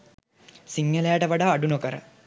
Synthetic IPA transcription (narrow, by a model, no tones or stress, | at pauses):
siŋːəlejaʈəʋaɖaːɖunokəɾə̰